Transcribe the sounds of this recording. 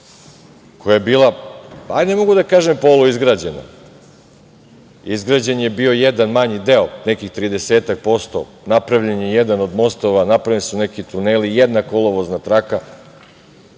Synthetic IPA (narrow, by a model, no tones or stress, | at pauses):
kʰo̞jajebiːlˠaajnemo̞ɡud̪akaːʒempo̞ːlˠuizɡɾaːd͡ʑena̰ | izɡɾaːd͡ʑenje̞bio̞jed̪anmaɲid̪eone̞kixt̪ɾiːd̪eseːt̪ak̚po̞st̪o̰ | napɾaʋʎenjejed̪ano̞d̪mo̞st̪oʋanapɾaʋilisunekit̪uneːlijed̪nako̞lˠoʋoznat̪ɾaka